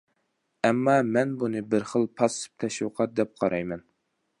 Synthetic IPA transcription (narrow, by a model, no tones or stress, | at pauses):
ɛmːɑmɛnbunɨbɪɾχəlˠpʰɑsɨ̥p̚t̪ʰɛʃwɨqʰɑt̪̚d̪ɛp̚qʰɑɾʔɑjmɛn